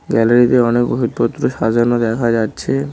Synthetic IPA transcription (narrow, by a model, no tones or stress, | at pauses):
ɡɛlaɾit̪eɔnekboɦut̪̚pot̪ːɾoʃad͡ʑoɾnod̪ɛkʰad͡ʑatːɕʰe